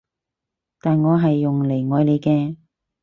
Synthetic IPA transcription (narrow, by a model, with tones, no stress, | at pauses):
t̪aː˨nŋɔː˨˧ɦɐ˨jːʊ˨ŋle˨˩jŋɔː˨˧jle˨˧jkɛː˧